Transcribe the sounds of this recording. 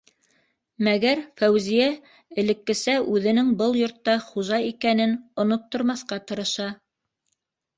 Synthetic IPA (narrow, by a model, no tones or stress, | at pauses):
mæɡæɾfæwzijæ | ɘ̆lɘ̆kːɘ̆sæʔʉðɘ̆nɘŋbɤlˠjŏɾt̪ːɑχuʒɑikænɘnŏnop̚t̪ŏɾmɑθqɑt̪ɤ̆ɾɤ̆ʃɑ